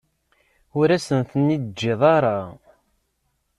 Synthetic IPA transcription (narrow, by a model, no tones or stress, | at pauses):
ʊɾæsənθənːid̪d͡ʒːeðˤɑɾˤɑ